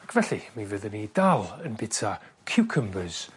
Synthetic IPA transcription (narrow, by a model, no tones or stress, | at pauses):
akʰvɛɬimivəðənidalˠənbɪtʰakʰuwkʰəmbɨz̥